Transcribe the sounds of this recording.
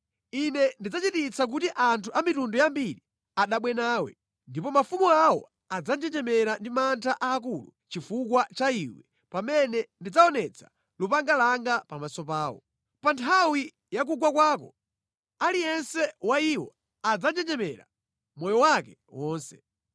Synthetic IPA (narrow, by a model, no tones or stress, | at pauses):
inɛndid͡zat͡ʃitit͡sʰak̬utiʔantʰuʔamitundɔjambiɾi | aɗaɓwɛnaːwɛ̰ | ndipɔmafumuawɔ̰ | ad͡zand͡ʒɛɲd͡ʒɛmɛɾandimantʰaʔaːk̬ulṵ | t͡ʃifukwat͡ʃaiwɛ | pamɛnɛndid͡zaɔnɛt͡sʰḁ̰ | lupaŋɡalaŋɡapamasɔpaːwɔ̰ | pantʰawi | jak̬uɡwak̬waːkɔ | alijɛnsɛwaiwɔ̰ | ad͡zad͡ʒɛɲd͡ʒɛmɛ̰ɾa̰ | mɔjɔwakɛ | wɔːnsɛ̥